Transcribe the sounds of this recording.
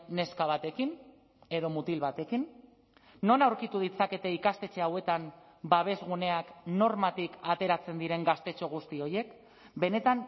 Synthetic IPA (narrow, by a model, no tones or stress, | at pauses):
ne̞skaβ̞at̪e̞kin | e̞ðo̞mut̪ilβat̪e̞kinː | o̞nawɾkit̪uð̞it͡sake̞t̪e̞ikast̪e̞t͡se̞awe̞t̪am | baβ̞e̞zɣ̞une̞akno̞ɾmat̪ikat̪e̞ɾat͡se̞nd̪iɾe̞ŋɡast̪e̞t͡ʃo̞ɣ̞ust̪io̞je̞k | be̞ne̞t̪an